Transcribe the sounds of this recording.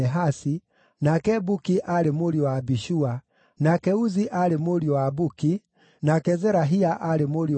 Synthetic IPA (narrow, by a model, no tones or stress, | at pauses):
ɛɦasi | nakɛbukiʔaɾemoɾiwabiʃua | nakɛuziʔalemoɾiwabuki | nakɛzɛɾaɦiaʔaɾemoɾi